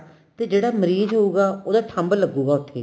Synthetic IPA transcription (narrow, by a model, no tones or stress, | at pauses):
t̪eːd͡ʒeːɽaːməɾiːzɦouːɡaːoːd̪aːʈʰə̃mbələɡːuːɡaːʊt̪ʰːḛː